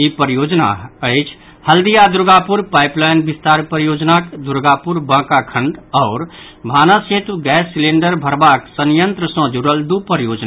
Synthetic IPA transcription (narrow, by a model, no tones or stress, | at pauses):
ipəɾijoːd͡ʒna̰əɪt͡ʃʰ | həld̪ijad̪uɾɡapuɾpajplajnbist̪aɾpəɾijoːd͡ʒnakd̪uɾɡapuɾbãːkakʰə̃ɳɖɔːɾ | bʱaːnaset̪uɡɛːsːileɳɖəɾbʱəɾbaksənjənt̪ɾəsə̃d͡ʒuɽəld̪upəɾijoːd͡ʒ